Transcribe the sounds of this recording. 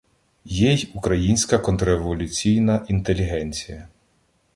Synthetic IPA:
jɛjukɾɐjinʲsʲkɐkɔnt̪ɾɔeʋɔlʲʊt͡sʲijnɐʔint̪elʲiɦɛnʲt͡sʲijɐ

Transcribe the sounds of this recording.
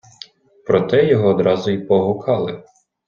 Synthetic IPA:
pɾɔt̪ɛjɔɦɔːd̪ɾɑzʊipɔɦʊkʰɑlˠɪ

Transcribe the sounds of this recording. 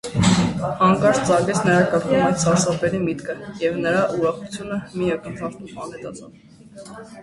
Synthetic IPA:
ɑŋkɑɾst͡sɑŋɡɛt͡sʰnəɾɑkəɾkʰɔmmɛsʰɑɾsɑpɛɾimit̪kʰəjɛvnəɾɑʔuɾɑχut͡sʰjunəmiɑkənt̪ʰɑɾt̪umɑnɛt̪ɑt͡sʰɑ̰v

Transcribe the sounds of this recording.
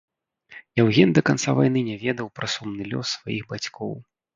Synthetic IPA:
jawɣʲɛnd̪ɐkant̪savajn̪ɨnʲɛvʲɛd̪ɐwpɾɐsɔmnɨlʲɔ̰sːvajiɣbat͡sʲkʰɔ̰w

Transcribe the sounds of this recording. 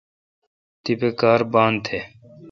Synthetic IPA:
t̪ipeːkaːɾbaːnt̪ʰeː

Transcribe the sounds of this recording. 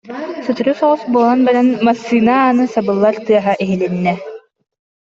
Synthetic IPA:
sɯt̪ɯɾusɔʁɔsbuɔlˠanbɛɾanmasːiːnaːnɯsabɯlˠːaɾt̪ɯɐɦaʔiɦilinːɛ

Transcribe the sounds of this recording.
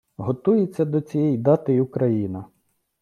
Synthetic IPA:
ɦɔt̪ujet͡sʲːɐd̪ɔt͡sʲijɛjd̪ɑt̪ɪjʊkɾɐjinɐ

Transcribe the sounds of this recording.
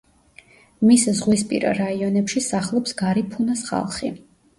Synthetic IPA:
miszʁwispʼḭɾa̰ɾaiɔnɛpʃisaχlˠɔpsɡaɾipʰunasχa̰lˠχḭ

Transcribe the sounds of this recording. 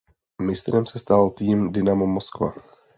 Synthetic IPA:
mɪst̪ɾɛmsɛst̪alt̪iːmdɪnamomoskva̰

